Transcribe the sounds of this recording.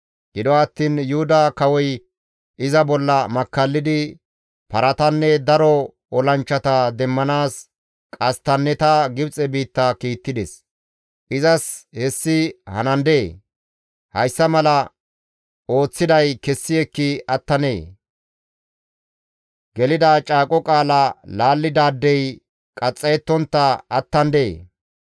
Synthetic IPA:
ɡ̥ɪd̪ɔɐt̪ːiːnjʊhʊd̪ɐkɐwɔj | ʔɪzɐbɔlːɐmɐkːɐlːɪd̪ɪ | pɐɾɐt̪ɐnːɛd̪ɐɾɔ | ɔlɐnt͡ʃːɐt̪ɐd̪ɛmːɐnaːs | kʼɐst̪ɐnːɛt̪ɐɡɪbt͡sʼɛbiːt̪ːɐkiːt̪ːɪd̪ɛs | ʔɪzɐshɛsːɪhɐ̰nɐnd̪eː | hɐjsːɐmɐlɐ | ʔo̞ːt͡sːɪd̪ɐjkɛsːɪɛkːɪɐt̪ːɐnḛː | ɡɛlɪd̪aːt͡ʃʼaːkʼɔkʼaːlɐlaːlːɪd̪aːd̪ːɛj | kʼɐt͡sʼːɐjɛt̪ːɔnt̪ːɐɐt̪ːɐnd̪eː

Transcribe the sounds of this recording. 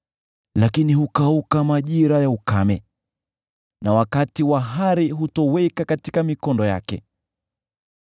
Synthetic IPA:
lakinihukaukamaʄiɾajaukamɛ | nawakatiwaɦaɾiɦutɔwɛkakatikamikɔndɔja̰kɛ̰

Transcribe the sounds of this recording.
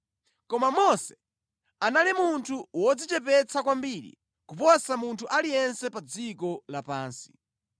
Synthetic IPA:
kɔmamɔsɛ̥ | analimuntʰuwɔd͡zit͡ʃɛp̬ɛt͡sakwambiɾḭ | kupɔsamuntʰuʔalijɛnsɛpad͡zikɔlapaːnsi̥

